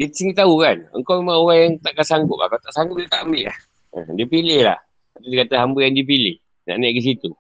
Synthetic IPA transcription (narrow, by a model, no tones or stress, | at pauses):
diət̪siŋit̪aukanə̰ŋkawmemaŋoɣaŋjaŋt̪aʔkasaŋɡʊp̚a̰kat̪aʔsaŋɡʊp̚dik̪amiʔa̰h | ə̰diəpilɪhla̰h | at̪udikat̪aɦambəjaŋdiəp̬ilɪh | na̰ʔnɛʔɡis̬it̪u